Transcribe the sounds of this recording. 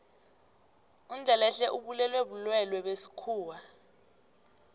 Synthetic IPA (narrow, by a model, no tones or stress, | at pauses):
und͡ɮʱɛlɛɬɛʔuɓulɛlweɓulwɛlwɛɓesi̥kʰuːwa